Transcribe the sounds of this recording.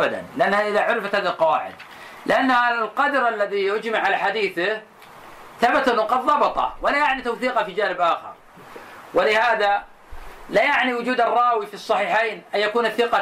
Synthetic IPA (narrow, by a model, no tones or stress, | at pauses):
ʔbad̪a̰nlɪʔanːhaʔɪðaʕʊɾɪfat̪haːðalqɑwaːʕɪ̰d̪ | lɪʔanːhaalqɑd̪ɑɾʔalːaðijʊd͡ʒmaʕːalaħad̪iːθɪh | θabat̪ʔɪnːʊqɑd̪ðˤɑbɑt̪ˤɑ̰wɪlajaʕnit̪awθiːqɑfid͡ʒaːnɪbʔaːxɪ̰ɾˤ | wɪlɪhaːða | lajaʕniwʊd͡ʒuːd̪ɑrˤːɑːwifisˤːɑħiːħeːnʔanjakuːnaθːɪqɑ